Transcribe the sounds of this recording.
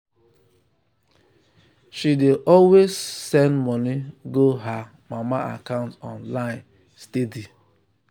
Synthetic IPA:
ʃideʔɔlwezsɛ̃ndmɔniɡoɦa | mamaa̰kãʊ̃ntɔ̰̃nlaɪ̃n | stedi

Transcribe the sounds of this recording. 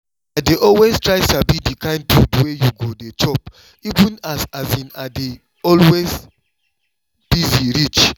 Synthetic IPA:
adeʔɔlweztɹaɪtabidikãɪ̃nd̚tʰudwejuɡodet͡ʃɔp | ivũnazazĩnade | ɔlwez | b̥iziɹit͡ʃ

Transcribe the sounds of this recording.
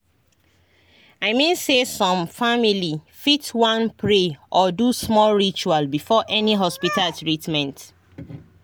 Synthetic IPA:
aɪmĩnsesɔ̃mfamili | fitwãnpʰɹeʔɔdusmɔlɹit͡ʃualbifɔʔɛniɦɔspitaltɹitmɛ̃nt

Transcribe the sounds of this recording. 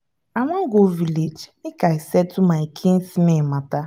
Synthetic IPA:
aŋʷaŋ̩ɡoviled͡ʒikaisɛtumaɪkʰĩnsinemata

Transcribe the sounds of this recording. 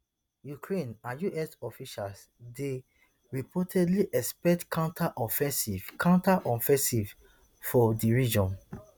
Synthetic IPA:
jukɹẽnãjuʔɛsɔfiʃals | de | ɹipʰɔtʰɛdliʔɛspɛk̚tkãʊ̃ntʰaʔɔfɛ̃sivkãʊ̃ntaʔɔfɛ̃nsiv | fɔdiɹid͡ʒɔ̃n

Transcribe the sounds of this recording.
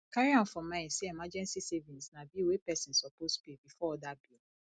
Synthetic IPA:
kaɹiãfɔ̃mãseɛmad͡ʒɛ̃nsisevĩnsnabiwepɛsĩnsɔposbibifɔɔdabil

